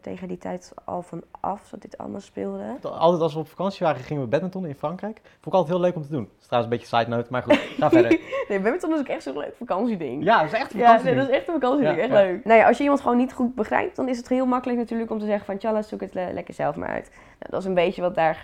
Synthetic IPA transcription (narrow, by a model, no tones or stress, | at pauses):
tḛjχənditʰɛ̰jtʔɑ̰lˠfɑnʔɑ̰fdɔt̚dɪtʰɑ̰lə̰maːlˠspɪːlˠdəɑ̰lˠtɛjtɑlˠsʋəɔpfḁkɑnsiʋaːɾəχɪŋəʋəbɛtmɛtɔ̃nəɪnfrɑŋkrɛjk | fʊ̃ndɪkɑlˠtɛtɦɪløɥkɔmtədunstraːsəmbeə̥sajtnowtmaːɹχuaːfɛdənejbɛmɛntɔnɪsɪkɛχtsolø̰kəfakɑnsidɪ̰ŋjaɪsɛxtəjaedɔtɪsɛχtənfakɑnsidɪŋɛχtløɥknowjaʔɑlˠsjəimɑntχəʋownːitχut̚bəχrɛ̰jp̚d̥ɔnɪs̬əthɪːlˠmɑkələknatyːɹləkɔmtəzɛχənfɔnt͡ʃalasukətlʔɛ̰kəɹz̥ɛlˠfma̰ɹœ̰ɥt | no̰wdɔtɪs̬ənbejtəʋɑt̚daːɹ